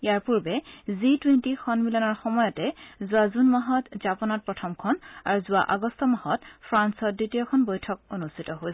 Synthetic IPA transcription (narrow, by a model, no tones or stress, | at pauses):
ijaɹpuɹbɛzitwentixʰɔnmilɔnɔɹxɔmɔjɔtɛzʊazunmaɦɔtzapɔnɔt̚pɹɔtʰɔmkʰɔnaɹuzʊwa̰ʔaɡɔstʰɔmahɔtpʰɹansɔt̚ditijɔkʰɔnbojtʰɔk̚onustʰitɔɦojsɛ